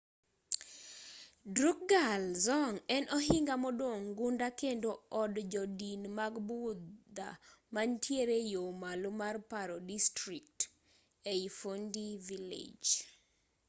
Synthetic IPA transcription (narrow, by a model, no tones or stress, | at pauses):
dɾuk̚ɡalzɔŋɛnʔɔɦiŋɡamɔdwoŋɡundakendoɔdd͡ʒɔdinmaɡbud̪a̰mantʰjeɾejomalomarpaɾɔdistɾik̚t | eifondivilḛd͡ʒ